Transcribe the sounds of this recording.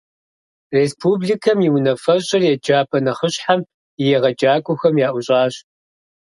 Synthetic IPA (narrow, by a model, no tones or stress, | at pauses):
reːspʰuːblikʰɐmjiwnɐfɐɕʼɪrjɛd͡ʒaːpʰɐnɐχəɕħam | jɛʁɐd͡ʒaːkʷʼʊxɐmjaːʔʷʊɕʼaːɕ